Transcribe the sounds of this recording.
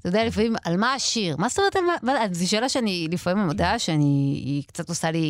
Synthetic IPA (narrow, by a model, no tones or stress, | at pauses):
t̪ajod̪ealifamimalmaːʃiʁmastomeet̪almamazeʃ̬e̞ːlaʃeanilifamimamod̪aʃeanikt͡sat̪osali